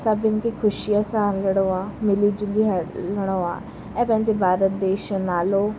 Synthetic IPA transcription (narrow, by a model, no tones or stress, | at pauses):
saːbɪnkiːkʰʊʃiaːsaːnləɽoːaːmɪliːd͡ʒʊliɦləɽ̃oːa̰ː | ɛ̃ːpə̃ɦɪ̃ɲd͡ʑeːbʱaːɾət̪̚d̪eːʃnaːloː